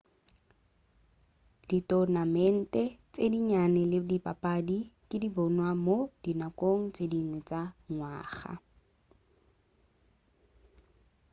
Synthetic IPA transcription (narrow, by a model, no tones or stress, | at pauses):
d̥itʼɔnamɛn̩tʼɛt͡sʼediɲanɛlɪdipʼapʼadikʼɪdibɔnwamod̥inakʼoŋ̩t͡sʼedinwɛt͡sʼaŋwaːχa̰